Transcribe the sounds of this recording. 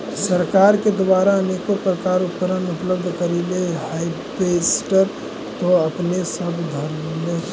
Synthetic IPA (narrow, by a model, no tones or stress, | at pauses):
səɾkaːɾked̪ʋaːɾaənekopɾəkaːɾʊpəɾənʊpləbd̪ʱkəɾileɦai | pesʈəɾ | t̪oəpnesəbʱd̪ʱəɾle